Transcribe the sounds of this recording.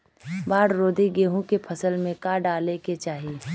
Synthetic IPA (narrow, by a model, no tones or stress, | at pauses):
baːɽɾoːd̪ʱiɡeːɦũkepʰɐsəlmẽkaɖaːleket͡ʃaːɦi